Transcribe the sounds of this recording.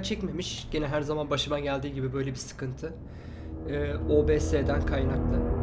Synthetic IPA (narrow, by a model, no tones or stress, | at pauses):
t͡ʃʰɛcme̞miʃɟ̥enɛɦæɾzamanbaʃɯmanɟælʲd̪iːɟibibø̞jlʲe̞bisɯ̥kɯnt̪ʰɯ | ɯːo̞ːbeːseːd̪ænkʰajnaklˠa